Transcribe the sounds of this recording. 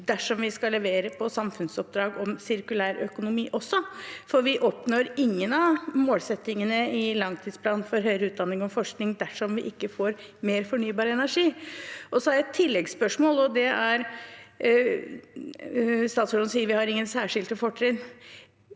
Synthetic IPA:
d̪æʂɔmʋɪskɑlːɛʋeːɾəpʰɔsɑmfʉnsɔp̚d̪ɾɑːɡɔmsɪɾkʉlæːɾœkʊnʊmiːʔɔsːɔfɔɾʋɪʔɔpnoːɾɪŋːənɑʋmoːlsɛt̪ːɪŋənəɪlɑŋt̪ʰiːd̪spʰlɑːnfɔɾɦœʏɾəʉːt̪̚d̪ɑnːɪŋɔmfɔʂknɪŋd̪æʂɔmʋɪʔɪkːəfoːɾ | meːɾfɔɳyːbɑːɾəɛnæʂiːʔɔsɔhɑɾjæɛt̪ʰːɪlːɛɡspœʂmoːlɔd̪ɛæɾ | st̪ɑːt̪sɔɖɔnsiːəɾʋɪhɑɾɪŋːənsæːʂɪlt̪əfɔʈʰːɾɪn

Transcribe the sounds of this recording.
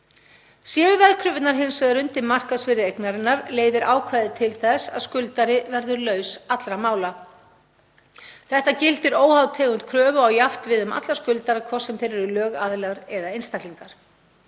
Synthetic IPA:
sjɛːðʏvɛðkʰɾʏvɪt̪naɾɦejnsvɛðaɾʏnt̪ɪmar̥kaðsvɪɾɪejknaɾɪnːaɾleːjðɪɾʔaːwkʰvaːjðɪt̪ʰɪlθɛsa̰ðskʏlt̪aɾɪvɛɾðʏɾlœːɥsat̪lɾamaːwla | θɛht̪acɪlt̪ɪɾoːwhawt̪ʰɛːɣʏnt̪̚kʰɾœːvʏawjaft̪vɪðʏma̰t̪laskʏlt̪aɾakʰvɔɾ̥sɛmθejɾɛɾʏlœːɣaðlɛaɾɛðaejnst̪akt̪liŋkaɾ̥

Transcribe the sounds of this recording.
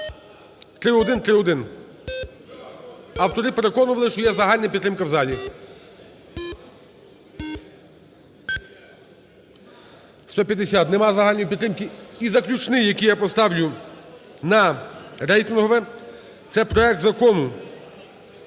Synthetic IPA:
t̪ɾɪɔd̪ɪnt̪ɾɪɔd̪ɪn | ɐwt̪ɔɾɪpeɾe̞kɔnʊʋɐlˠɪʃt͡ʃɔjɛzɐɦɑlʲnɐpʲit̪ɾɪmkɐwzɑlʲi | st̪ɔpʲjɐd̪esʲat̪nɛmɑzɐɦɑlʲnɔjipʲit̪ɾɪmkɪizɐklʲut͡ʃnɪjɐkʲijapɔst̪ɑwlʲʊ | nɐɾɛjt̪ɪnɦɔʋɛ | t̪sɛpɾɔɛk̚t̪zɐkɔnʊ

